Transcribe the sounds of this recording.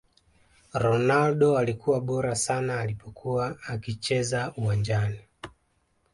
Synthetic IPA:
ɾɔnalɗɔalikuwaɓɔɾasanaːlipɔkʰuwaːkit͡ʃɛzauwaɲd͡ʒani

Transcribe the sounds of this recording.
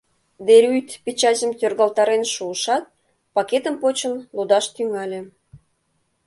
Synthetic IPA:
d̪eɾʲyjt̪pʲet͡ɕɑzəmt̪ørɣɑlt̪ɑɾenʃuəʃɑt̪̚ | pɑket̪əmpot͡ɕə̆nlod̪ɑʃt̪yŋɑlʲĕ

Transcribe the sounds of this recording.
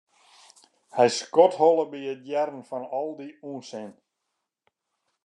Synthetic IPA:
hɛjskɔthɔlˠəbiət̚jɛrn̩fɔnɔlˠdiuənsɪn

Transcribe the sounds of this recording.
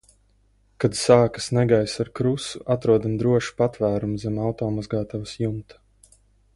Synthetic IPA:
kad̪saːkḁsnɛɡajsaɾkɾusuʔat̪ɾuɔd̪amd̪ɾuɔʃi̥pat̪væːɾumzɛmawt̪ɔːmazɡaːt̪awsjumt̪

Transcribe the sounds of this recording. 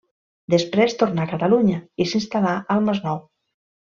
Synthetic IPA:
d̪əspɾest̪oɾnakət̪aluɲəisinst̪alaʔəlˠməznɔw

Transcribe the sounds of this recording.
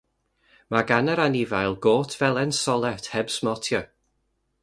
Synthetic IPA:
maɡanəɾanivajlˠɡoːtʰvɛlˠɛnsɔlˠɛtʰhɛbsmɔtʰjɔ

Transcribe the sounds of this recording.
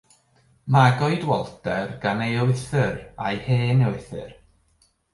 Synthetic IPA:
maɡɔɨdwɔlˠtɛrɡanejoɪθɨrajheːnɛwɪθɨ̰r

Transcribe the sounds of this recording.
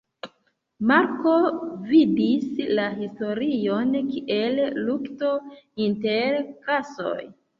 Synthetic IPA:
maɾko̞vidislaɦisto̞ɾijo̞nkiʔe̞llukto̞inte̞ɾkaso̞̰j

